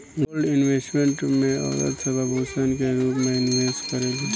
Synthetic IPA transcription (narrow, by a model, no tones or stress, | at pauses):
ɡolɖɪnʋeːsʈmẽɳʈmẽa̰ːd̪ə̰t̪sɐbʱabʱoːsənkeɾuːpmɛːnɪfeːsʈkɐɾeːɡi